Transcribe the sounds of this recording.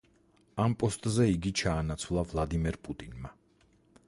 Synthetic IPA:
ampʼɔst̪ʼzɛiɡit͡ʃʰaːnat̪sʰwlˠavlˠad̪imɛɾpʼut̪ʼinma

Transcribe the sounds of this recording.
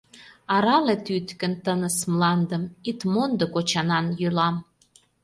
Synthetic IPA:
ɑɾɑlet̪yt̪kə̆nt̪ənəsmlɑnd̪əmit̪mond̪okot͡ɕɑnɑnjylɑm

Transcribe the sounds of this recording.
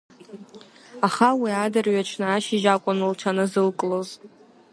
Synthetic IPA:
aχawiadɨrɥat͡ʃʰnɨaʃɪʒakʷʼʊnɨlʈ͡ʂʷʰanɨzɨlkʼloz

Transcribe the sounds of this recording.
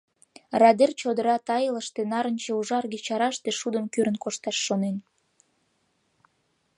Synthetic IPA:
rɑd̪ert͡ɕod̪əɾɑt̪ɑjələʃt̪enɑɾənt͡ɕeuʒɑrɣet͡ɕɑɾɑʃt̪eʃud̪əmkyɾənkoʃt̪ɑʃːonen

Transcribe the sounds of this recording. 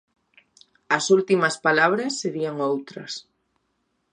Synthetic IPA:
ɐsult̪imɐspalaβ̞ɾɐsːeɾiɐŋowt̪ɾɐs

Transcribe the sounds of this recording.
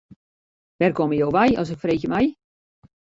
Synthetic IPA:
ʋɛrkoməjowʋɛjɔ̰s̬ɪkfreːxjəmɛj

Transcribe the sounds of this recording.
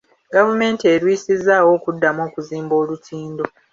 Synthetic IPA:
ɡavume̞ːntie̞ɾwiːsizawo̞ːkudːamo̞ːkuziːmbo̞ːlutʰiːndo

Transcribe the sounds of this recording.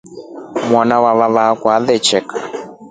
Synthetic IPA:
mwanawaβaβakwaðɛt͡ʃɛkʰa

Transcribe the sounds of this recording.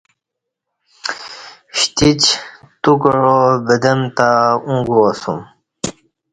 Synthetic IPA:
ɕt̪it͡ɕ | t̪ukɻobəd̪emt̪aũŋɡuosum

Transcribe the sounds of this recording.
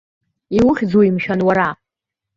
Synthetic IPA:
iwʊχʲd͡zoimʃᶣanwaɾa

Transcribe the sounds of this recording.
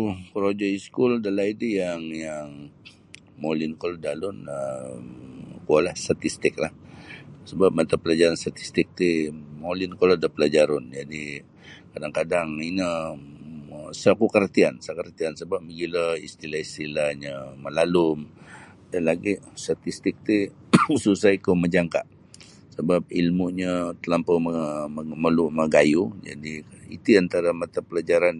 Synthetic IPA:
ukəɾod͡ʒoiskuldalaidijaŋjaŋ | molinkolodalʊnə | kualahst̪at̪ist̪ɪk̚lahsəbap̚mat̪apəlad͡ʒaɾanst̪at̪i̥st̪ɪk̚t̪imolinkolodapəlad͡ʒaɾʊnd͡ʒadi | kadaŋkadaŋinə | sakukərt̪iansakərt̪iansəbap̚məɡilaḭst̪ilaist̪ilaɲəməlalʊm | danlaɡist̪at̪ist̪ɪk̚t̪i | susaikoməd͡ʒaŋka̰ʔ | səbap̚ilmuɲət̪əlampəməməluməɡajud͡ʒa̰diḭt̪uant̪aɾamat̪apəlad͡ʒaɾan

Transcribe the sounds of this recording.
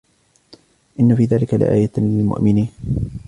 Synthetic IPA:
ʔɪnːafiːðaːlɪkalɪ̰ʔa̰ːjalɪlmʊ̰ʔmɪniːn

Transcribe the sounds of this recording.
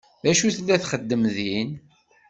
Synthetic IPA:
ðæʃuθəlːæθχəd̪ːəmðin

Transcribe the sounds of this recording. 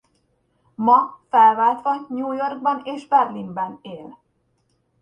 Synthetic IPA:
mɒfɛlvaːlt̪ʋɒɲuːjo̞rɡ̚bɒneːʒbɛrlimbɛneːl

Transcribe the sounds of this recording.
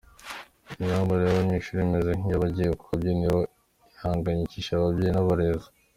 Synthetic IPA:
iɲaːmbaɾejaβamɲiʃuɾimezeŋ̥ijaβaɟejekukabɟeniɾo | ihaːŋɡaɲiciʃaβabɟeːinaβaɾeza

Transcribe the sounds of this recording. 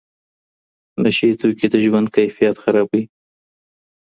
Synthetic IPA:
naʃat̪uket̪aʒwand̪̚kajfijat̪xaɾɑbwi

